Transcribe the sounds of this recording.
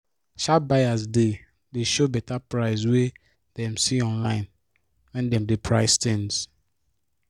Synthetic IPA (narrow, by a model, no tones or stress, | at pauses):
ʃabaɪazde | deʃobɛtapɹaɪs̬we | dɛ̃msiɔ̃nlãɪ̃n | wɛ̃ndɛ̃mdepʰɹaɪstɪ̃ns